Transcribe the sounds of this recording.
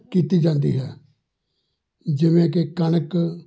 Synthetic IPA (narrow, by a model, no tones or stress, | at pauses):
kiːt̪iːd͡ʒãːnd̪ḭːɦɛː | d͡ʒɪʋẽːk̬ekənək